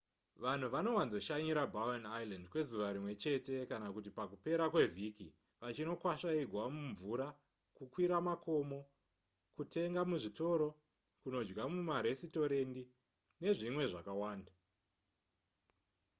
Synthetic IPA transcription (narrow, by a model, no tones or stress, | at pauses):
ʋan̤uʋano̞wanzo̞ʃaɲiɾabawanajlandkwe̞zuʋaɾimwe̞t͡ʃe̞te̞kanakutipakupe̞ɾakwe̞vʱiki | ʋat͡ʃino̞kwaʃaiɡʱwamuɱvuɾa | kukwiɾamako̞mo̞ | kutʰe̞ŋɡamuʐito̞ɾo̞ | kuno̞d͡ʒɡamumaɾe̞sito̞ɾe̞ndi | ne̞ʐimwe̞ʐakawaːnda